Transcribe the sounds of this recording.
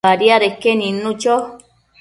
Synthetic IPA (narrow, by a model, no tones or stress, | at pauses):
aɾiaɾekenĩnũt͡ʃo